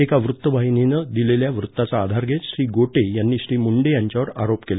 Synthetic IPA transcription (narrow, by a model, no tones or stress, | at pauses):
ekaʋɾut̪ːəʋajninəd̪ileljaʋɾut̪ːat͡saːd̪ʱaɾɡʱet͡sɕɾiːɡoʈejanːiːɕɾiːmuɳɖejaɲt͡ɕjaʋəɾa̰ɾopkel